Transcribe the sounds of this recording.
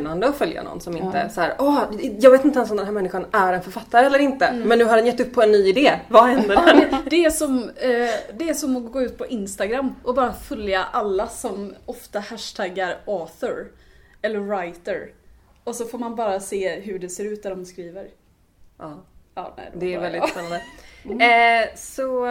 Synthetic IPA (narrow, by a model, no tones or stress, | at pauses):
nand̪əɔfœlja̰nɔ̰nsɔmɪ̰nə̰shæːɾʔɔːjɑːɡveːt̪ɪnt̪əɛns̬ɔmd̪ɛnɦæːmɛnːɪɧanæɾɛnfœɾfat̪ːaɾəɛlːəɾɪnt̪əmɛnːʉ̟ːɦadɛnjɛt̪ːɵpʰːɔɛnːyːɪd̪eːvahɛnd̪əd̪æd̪ɛæʂɔm | d̪ɛæʂɔmɔɡoːʉ̟ːt̪̚pʰɔʔɪnst̪aɡɾamːʔɔbɑːɾafœljaʔalːasɔmɔft̪ahæʂt̪ʰæɡːaɾɑːθɔɾɛlːəɾːajt̪əɾɔsɔfoːɾmanbɑːɾaseːɦɵɖɛseːɾʉ̟ːt̪̚d̪aɾɔmskɾiːvəɾ | ʔɑːɑ̰ːɛ̰dd̪ɛɛɾvɛld̪ɪtspɛnːand̪ə | sɔ